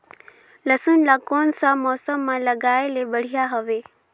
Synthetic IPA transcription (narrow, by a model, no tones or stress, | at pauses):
lɐsʊnlakoːnsãmɔːsəmːãlɐɡaːelebɐɽ̤ijaɦoʋe